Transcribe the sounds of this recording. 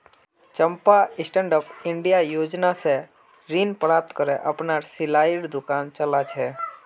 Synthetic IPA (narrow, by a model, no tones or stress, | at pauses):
t͡ʃə̃mpaɪsʈɛ̃ɳɖəpɪ̃ɳɖijajoːd͡ʒnase | ɾiːnpəɾaːp̚t̪kəɾeʔəpnasɪlaːɪɽd̪ʊkaːnt͡ʃəlat͡ʃʰɛː